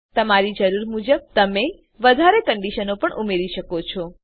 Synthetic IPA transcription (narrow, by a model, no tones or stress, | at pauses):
t̪əmaɾid͡ʒəɾuɾmud͡ʒəb̚t̪əme | ʋəd̪ʱaɾekəɳɖiʃənopəɳʔumeɾiʃəkot͡ʃʰo